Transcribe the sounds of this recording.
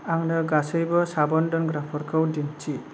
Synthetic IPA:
aŋnʌɡasɯjbɔsabɔndɔnɡɾapʰɔɾkʰɯwdint͡ʃi

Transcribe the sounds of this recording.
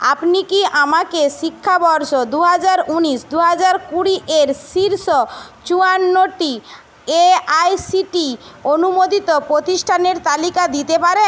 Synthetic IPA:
a̰pnikiʔamakeʃikʰːabɔɾʃod̪uɦad͡ʑaɾuniʃd̪uɦad͡ʑaɾkuɽiʔeɾsiɾʃɔt͡ɕuanːoʈi | eajsiʈi | onumod̪it̪opɾot̪isʈʰaneɾt̪alikad̪it̪epaɾe

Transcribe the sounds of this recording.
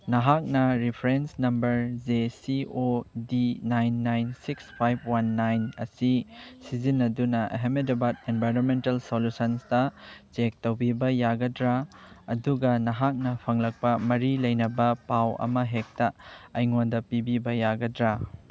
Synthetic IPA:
nɐɦak̚nɐɾipʰɾensnɐmbɐɾd͡ʒesiodinajnːajnsikspʰajb̚ʰwanːajnɐ̰sisizinːɐdunɐʔɦemedebat̚enbʱajɾonmentɐlsolusɐnsdɐt͡ʃek̚towbibɐjaɡɐdɾa | ɐduɡɐnɐɦak̚nɐpʰɐŋlɐk̚pɐmɐɾilɐjnɐbɐpawɐ̰mɐɦek̚tɐɐjŋondɐpibibɐjaɡɐdɾa

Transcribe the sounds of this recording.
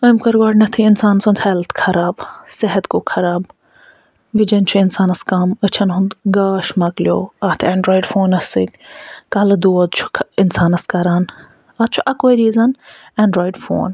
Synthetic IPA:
kɐmkɐɾɡaːɖnɐt̪ʰiɪnsaːnsɐnd̪hɛlt̪ʰkʰɐɾaːbsɪɦɐt̪koːkʰɐɾaːb | ʋid͡ʒɐnt͡ʃʰuɪnsaːnɐskɐmɐt͡ʃʰɐnɦʊ̃nd̪ɡaːʃmɐkljoːat̪ʰɛ̃ːɳɖɾoːjiɖfoːnɐsit̪kaːlɐd̪uːɐd̪t͡ʃʰu̥ɪnsaːnɐskɐɾaːn | ɐd̪̚t͡ʃʰuʔɐkoːiɾiːzɐnɛ̃ːɳɖɾoːjiɖfo̰ːn

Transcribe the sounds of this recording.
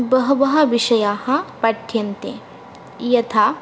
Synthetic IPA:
bɐɦɐbɐɦɐʋɪʃɐjaːhɐ̃pɐʈʰːjɐnt̪ḛ̃ | jɐt̪ʰaː

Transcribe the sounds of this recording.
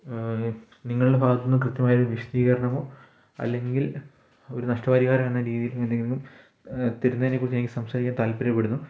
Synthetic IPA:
niŋːɐɭuɽebʱaːɡɐt̪ːɐnːɨkrɨt̪jɐmaːjɐoɾuʋiʂɐd̪iːɣɐɾɐɳɐmo̞ː | ɐ̰lːe̞ŋɡil | o̞ɾunɐʂʈɐbaːɾiɣaːɾɐmenːɐɾiːðijiluend̪eŋɡ̪ŋːum | t̪eɾunːɐðinːekːurt͡ɕieːiŋɡilsɐmsaːɾikʲːaːnt̪aːlpeɾɐjpːeɽunːu

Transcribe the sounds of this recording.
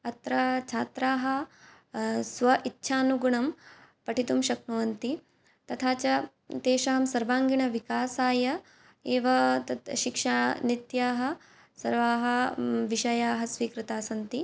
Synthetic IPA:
ɐt̪ɾɐt͡ʃʰaːt̪ɾaːɦɐ̆ | sʋɐʔit̪ːʃʰaːnuɡuɳɐmpɐʈʰit̪umʃɐknɐʋɐnt̪i | t̪ɐt̪ʰaːt͡ʃɐ | t̪eːʃɐɦɐmsɐɾʋaːŋɡiɳɐʋikaːsaːjɐ | eːʋɐt̪ɐʃikʂaːnit̪jaːɦɐ̆ | sɐɾʋaːɦɐʋiʃɐjaːɦɐsʋiːkɾɨt̪aːsɐnt̪i

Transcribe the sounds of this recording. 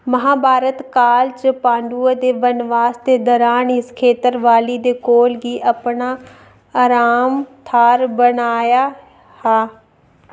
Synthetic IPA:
məɦãːbʱaːɾət̪kaːlt͡ʃəpãːɳɖuːəd̪eːʋənʋaːsd̪eːd̪ɔːɾaːnɪskʰeːt̪əɾʋaːliːd̪eːkoːlɡiːʔəpnaː | aːɾaːmt̪ʰaːɾbənaːjaː | haː

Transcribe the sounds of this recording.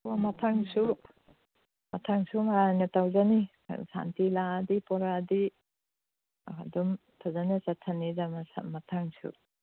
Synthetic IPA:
wamɐtʰaŋsu | mɐtʰaŋsumaɾanɐtʰawzanḭ | sa̰ntiladipɔɾadi | a̰dumtʰazanisatʰːanizamasa̰mɐtʰaŋsṵ

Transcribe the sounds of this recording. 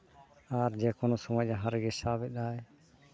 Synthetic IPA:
aɾd͡ʒɛkɔnɔsɔmad͡ʒaɦaɾɡɛsabɛɗaɛ

